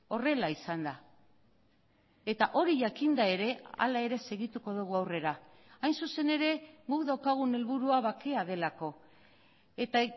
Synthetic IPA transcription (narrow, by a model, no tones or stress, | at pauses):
o̞re̞laisand̪a | e̞t̪aʔo̞ɾiʝakind̪ae̞ɾe̞a̰lae̞ɾe̞se̞ɣit̪uko̞ðuɣ̞uawre̞ɾa | ajnsuse̞ne̞ɾe̞ɣukðawkaɣ̞une̞lβuɾuaβake̞að̞e̞lako̞ | e̞t̪a